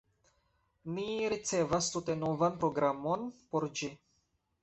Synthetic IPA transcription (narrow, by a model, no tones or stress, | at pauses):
niɾit͡se̞vast̪ut̪e̞no̞vanpɾo̞ɡɾamo̞npo̞ɾd͡ʒi